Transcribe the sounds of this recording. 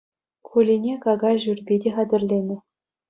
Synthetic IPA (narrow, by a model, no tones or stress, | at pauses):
kulʲinʲekɑɡɑʑyrʲbʲidʲeχɑd̪ʲɘ̆rʲlʲenʲɘ̆